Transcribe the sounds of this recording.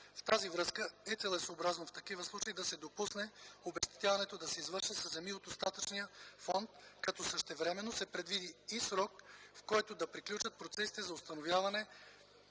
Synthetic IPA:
ft̪azivɾɤskəɛt̪sɛlɛsoːbɾaznoft̪ɐkivəslˠut͡ʃeid̪ɐsɛd̪opusnɛobɛʃt̪ɛ̥t̪javɐnɛt̪od̪ɐsɛizvɤɾʃəsɐzɛmiot̪ost̪at̪ət͡ʃnijəfɔnt̪kɐt̪ɔsəʃt̪ɛvɾɛmɛnːosɛpɾɛd̪vid̪iːsɾɔkfkɔjt̪od̪ɐpɾiklʲut͡ʃət̪̚pɾot̪sɛsi̥t̪ɛzɐʊst̪ɐnovjavɐnɛ

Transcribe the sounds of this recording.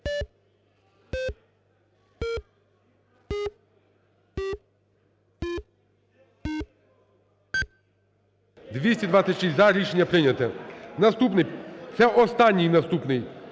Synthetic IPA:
d̪ʋʲisʲtʲid̪ʋasʲɐtʲʃisʲzɐɾʲiʃenʲːɐpɾɪnʲɐt̪ɛnɐst̪upnɪsɛʔɔst̪ɑnʲːijnɐst̪upnɪj

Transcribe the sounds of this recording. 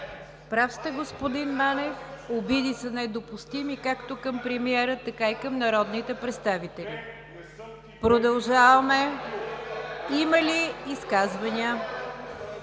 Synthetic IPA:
pɾafst̪əɡospod̪inmanɛfobid̪isənɛd̪opʊst̪imikakt̪okɐmpɾɛmiɛɾət̪ɐkaikɐmnɐɾɔd̪nit̪ɛpɾɛt̪st̪avit̪ɛli | pɾod̪ɐlˠʒavəmɛ | iməliːskazvɐnʲiə

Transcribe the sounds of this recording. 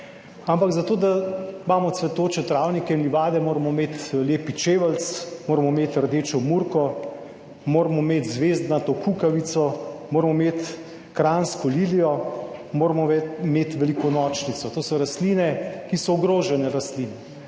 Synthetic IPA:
ampaɡzat̪oːd̪amaːmɔt̪sʋɛt̪oːt͡ʃɛt̪ɾaːwnikɛinliʋaːd̪ɛmoːɾmɔmeːt̪leːpit͡ʃeːʋəlt̪smoːɾmɔmeːt̪əɾd̪eːt͡ʃɔmuɾkɔ | moːɾmɔmeːt̪zʋeːzt̪nat̪okukaʋit̪sɔmoːɾmɔmet̪ | kɾanskɔliːlijɔmoːɾmɔmet̪ʋɛlikɔnɔːt͡ʃnit̪sɔt̪oːsɔɾast̪liːnɛkisɔɔɡɾoːʒɛnɛɾast̪liːnɛ

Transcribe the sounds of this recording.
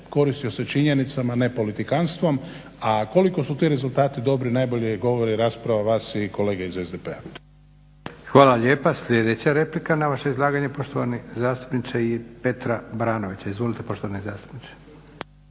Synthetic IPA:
ko̞ɾist̪io̞se̞t͡ʃiɲe̞nit̪samane̞po̞lit̪ikanst̪ʋom | ako̞liko̞sut̪iɾe̞zulˠt̪aːt̪id̪o̞bɾinajbo̞ʎiɡo̞ʋoɾiɾaːspɾaʋaʋaːsiko̞le̞ːɡeizezd̪epea | xʋaːlaʎeːpasʎʲe̞d̪et͡ɕaɾe̞plikanaʋaʃeizlˠaːɡaɲepo̞ʃt̪oʋanizaːst̪u̥pnit̪sejepe̞t̪ɾabɾaːnoʋit͡ɕaizʋolit̪epo̞ʃt̪oanezaːst̪u̥pnise̥

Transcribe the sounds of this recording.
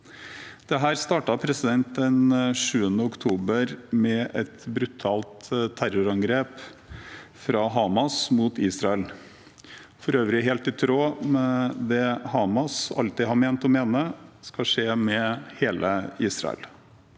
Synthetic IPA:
d̪̥ɛɦæːɾst̪ɑːʈɑpʰɾɛsɪd̪ɛnt̪̚d̪ɛnʂʉːənəɔkt̪ʰuːbəɾmɛʔɛt̪bɾʉt̪ʰɑːlt̪t̪ʰːæɾʊɾɑŋɡɾeːp | fɾɑɦɑːmɑsmuːt̪iːsɾɑɛl | fɔɾøːʋɾɪɦeːlt̪ɪt̪ʰɾoːmɛd̪ɛhɑːmɑsɑ̰lt̪ɪɦɑmeːnt̪ɔmeːnəskɑʂeːmɛheːlʔəiːsɾɑ̰ə̰l

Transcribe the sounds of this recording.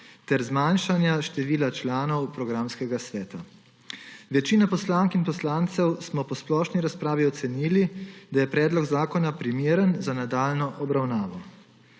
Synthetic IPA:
t̪ɛɾzmanʃanjaʃt̪ɛʋiːlat͡ʃlaːnɔwpɾɔɡɾamskɛɡasʋɛːt̪a | ʋɛt͡ʃiːnapɔslaŋkinpɔslant̪sɛwsmɔpɔsplɔːʃniɾaspɾaːʋiɔt̪sɛniːlid̪ajɛpɾɛːd̪lɔɡzaːkɔnapɾimeɾənzanad̪aːlnɔʔɔbɾawnaːʋɔ

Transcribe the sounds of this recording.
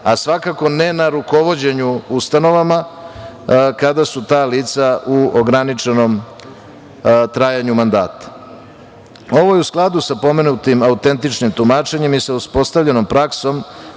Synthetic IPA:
asʋakako̞ne̞naɾuko̞ʋo̞d͡ʑe̞ɲuust̪ano̞ʋama | kad̪asut̪aːliːt̪sauoɡɾanit͡ʂe̞no̞m | t̪ɾaːjaɲumand̪a̰ːt̪ḁ | o̞ʋo̞jeusklˠad̪usapo̞me̞nut̪imaut̪e̞nt̪it͡ʂnimt̪umaːt͡ʃe̞ɲe̞misauspo̞st̪aʋʎe̞no̞mpɾakso̞m

